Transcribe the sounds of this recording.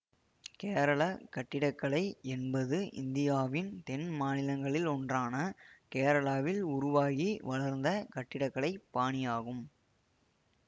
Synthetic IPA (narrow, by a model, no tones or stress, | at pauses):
keːɾɐɭɐkɐʈːɪɽɐkːɐɭɐɪɛnbɐðɯʔɪ̰nd̪ɪjaːʋɪnt̪ɛnmaːnɪlɐŋɡɐɭɪlɔndraːnɐkeːɾɐɭaːʋɪlʊɾʊʋaːɣiʋɐɭɐɾnd̪ɐkɐʈːɪɽɐkːɐɭɐɪpːaːɳɪjaːɣɯm